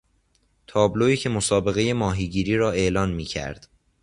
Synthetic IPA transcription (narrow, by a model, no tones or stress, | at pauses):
t̪ʰɒːbloiːcʰe̞mosɒːbe̞ɣe̞je̞mɒːɦiːɟiːɾiːɾɒːe̞ʔlɒːnmiːcʰæ̰ɾd̪̥